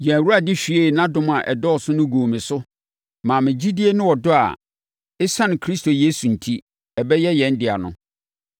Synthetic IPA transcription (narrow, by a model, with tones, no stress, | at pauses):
jɛ̃˨wu˦ɾa˨dɪ˦ɕᶣi˨˦e˦˨nã˦dʊ̃˨m˨a˨ʔɛ˨dɔ˦˨sʊ˦nʊ̃˦ɡoː˨mĩ˨sʊ˦ | mãː˨mɪ̃˨d͡ʑi˦di˦e˦nʊ̃˦wɔ˨dʊ˦a̰˨ | ɪ˦sã˦nɪ̃˨kʰɾi˦stʰo˨jeː˦su˨n̩˨tʰi˦ | ɛ˨bɛ˦jɛ˦jɛ̃˨˦n̩˦dɪ˨a̰˨nʊ̰̃˨